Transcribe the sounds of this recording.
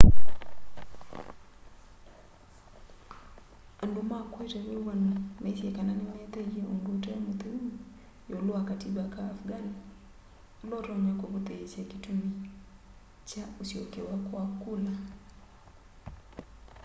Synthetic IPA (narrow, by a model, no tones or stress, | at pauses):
andumakwɛtɛwiwanamɛsiɛkananimɛt̪ɛɛʔundutɛmut̪uumu | joluakatiɓakaːfɡani | lɔɾɔɲakɔkut̪ɛsakitumi | t͡ʃausiɔkɛwakwakula